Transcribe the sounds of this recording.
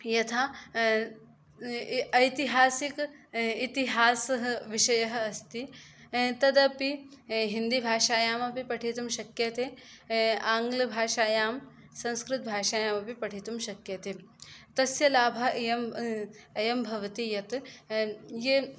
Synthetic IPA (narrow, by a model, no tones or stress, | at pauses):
jɐt̪ʰaː | ɐjt̪iɦaːsikit̪iɦaːsɐɦɐʋiʃɐjɐɦɐ̆ɐst̪i | t̪ɐd̪ɐpiɦind̪ibʱaːʃaːjaːmɐpipɐʈʰit̪umʃɐkjɐt̪eː | aːŋɡlɐbʱaːʃaːjaːm | sɐ̃nskɾɪt̪̚bʱaːʃaːjaːmɐpipɐʈʰit̪umʃɐkjɐt̪et̪ɐsjɐlaːbʱɐjɐm | ɐjɐmbʱɐʋɐt̪ijɐt̪ | je